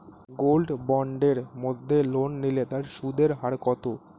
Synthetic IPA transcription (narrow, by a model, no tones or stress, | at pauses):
ɡolɖbɔɳɖeɾmod̪ʱːelonːilet̪aɾʃud̪ʱeɾɦaɾkɔt̪o